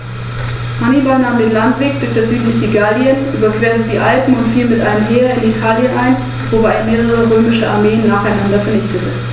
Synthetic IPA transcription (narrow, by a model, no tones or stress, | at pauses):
hanibalnaːmdeːnlantv̥eːk̚d̥ɪk̚d̥ɛzyːtlɪçiɡaljənʔyːbɐkv̥eːɐtədiːʔalpm̩ʊntfiːlmɪtʔa̰ɪnəmɦeːʁɐɪnitʰaːljənʔaɪn | vobaɪeːɐmeːʁəʁəʁøːmɪʃəa̰ɐmeːənːaːχaɪnandɐfɛɐnɪçtətʰə